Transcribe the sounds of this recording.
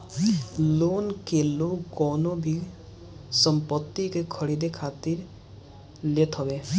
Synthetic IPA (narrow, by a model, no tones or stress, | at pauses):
lonkelukɔnobʱiɡ | sɔmpɔt̪ːikekʰəɽid̪ekʰat̪iɾ | let̪ɦɔbe